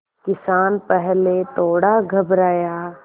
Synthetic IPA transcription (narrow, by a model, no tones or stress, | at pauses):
kɪsaːnpɛɦlet̪oːɽaɡʱɐbɾaːja